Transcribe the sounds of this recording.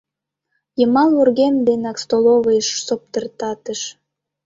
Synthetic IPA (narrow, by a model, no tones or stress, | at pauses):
jəmɑlurɣemd̪enɑkst̪oloβəjʃsop̚t̪ərt̪ɑt̪əʃ